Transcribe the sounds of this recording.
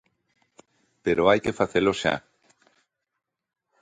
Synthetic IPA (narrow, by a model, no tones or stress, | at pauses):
peɾoajkefaθeloʃa̰